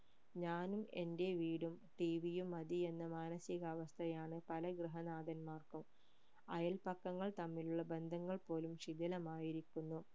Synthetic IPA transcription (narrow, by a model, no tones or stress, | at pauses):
ɲaːnume̞nde̞ʋiːɽumʈiʋijumːɐd̪ie̞nːɐmaːnɐsiɣɐːʋɐst̪ʰɐjaːɳɨpɐlɐɡrɨɦɐnaːd̪ɐnmaːrkɐm | ɐjɐlpɐkːɐŋːɐɭt̪ɐmːiluɭːɐbe̞nd̪ʱɐŋːɐɭpo̞ːlumʂid̪ɐlɐmaːjiɾikʲːunːu